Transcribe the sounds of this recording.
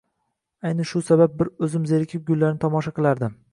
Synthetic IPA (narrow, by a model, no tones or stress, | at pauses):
ajnaʃʊsabap̚bɪɾɵzɪmzeɾɪkʲʰɪp̚ɡʲʊlːaɾnɪt̪ʰɒmɒʃaqɨlˠaɾd̪ɪm